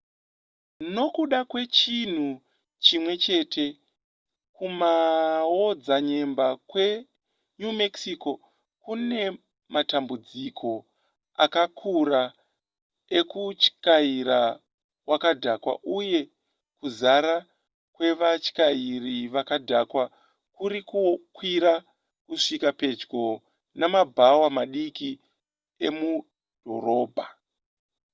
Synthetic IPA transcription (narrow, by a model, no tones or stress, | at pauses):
no̞kuɗakwe̞t͡ʃin̤u | t͡ʃimwe̞t͡ʃe̞ːtʰe̞ | kumawo̞d͡zaɲe̞mbakwe̞ | ɲume̞ksiko̞ | kune̞ | matambud͡zikʰo̞ | a̰kakʰuɾa | e̞kut͡ʃkaiɾa | wakadʱakwa̰ʔuje̞ | kuzaɾa | kwe̞ʋat͡ʃkairiʋakadʱakwa | kuɾikukwiɾa | kuʂikape̞d͡ʒɡo̞ | namabʱawamaɗiki | e̞mu | d̥ʱo̞̰roːbʱa